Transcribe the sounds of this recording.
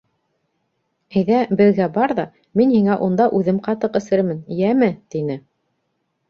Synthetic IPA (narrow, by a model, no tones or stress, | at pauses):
ɘjðæbɘ̆ðɡæbɑɾðɑ | minhiŋæʔund̪ɑʔʉðɘmqɑt̪ɤqɘ̆sɘ̆ɾmɘnjæmɘt̪inɘ